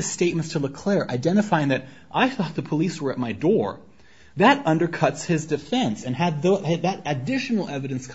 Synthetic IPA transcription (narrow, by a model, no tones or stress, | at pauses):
ɨ̥steɪt̚mɨ̃ntstʰələkʰl̥ɪɹʔa̰ɪdɛ̃ɾ̃ɨfaɪɪ̃ŋðɨɾ | ʔaɪθɔt̪̚ðəpʰəliswə˞ɨt̚maɪdɔɹ | ðɨɾʌ̃ndə˞kʰʌtshɪzdɨfɛ̃nsɨ̃nɨd̪̚ðoɨðɨɾɨdɪʃn̩l̩ˠɛvɨɾɨ̃nskʰ